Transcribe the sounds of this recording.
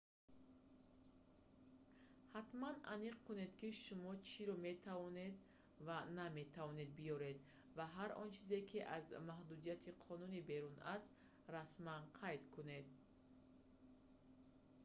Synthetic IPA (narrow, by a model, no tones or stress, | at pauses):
hat̪mana̰niq̚kune̞d̪kiʃumɔt͡ʃʰiɾɔme̞t̪ʰavɔne̞d̪ | vaname̞t̪ʰavɔne̞d̪̚bijɔɾe̞d̪ | vaɦaɾʔɔ̰nt͡ʃʰize̞kʰiʔa̰zmahd̪ud̪ijat̪ʰiqʰɔnunibe̞ɾunast̪ | ɾasmanqʰajd̪kʰune̞d̪̚